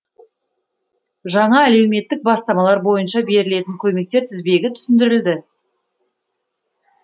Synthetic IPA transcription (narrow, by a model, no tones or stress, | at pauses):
ʒɑɴɑæle̞wme̞t̪ːɪk̚bɑst̪ɑmɑlˠɑɾbo̞jənʃɑbe̞ɾɪle̞t̪ɪŋkʲʰɵme̞k̚t̪e̞ɾt̪ʰɪzbe̞ɡʲɪt̪ʰʏ̥sɪnd̪ɪɾɪld̪ɪ